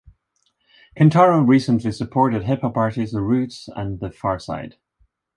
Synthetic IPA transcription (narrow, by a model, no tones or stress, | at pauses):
kʰə̃ntʰɑɹəɹisə̃nʔlˠisəpʰɔɹʔɪd̚ɦɪpʰəpaɹtizðəɹʉtsə̰̃nðəfaɹsa̰ɪd̥